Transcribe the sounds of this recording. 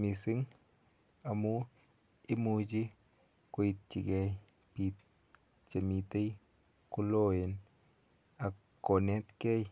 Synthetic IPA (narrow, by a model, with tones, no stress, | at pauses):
mi˨si˦ŋ | a˨mu˦ | i˦mu˧d͡ʒi˦ | ko˧ji˧t̪̚t͡ʃi˨ɡe˧j | pi˨t̪̚ | t͡ʃa˨mi˧t̪e˦j | ku˦lo˦je˨n | a˨ | ko˨ne˦t̪ke˦j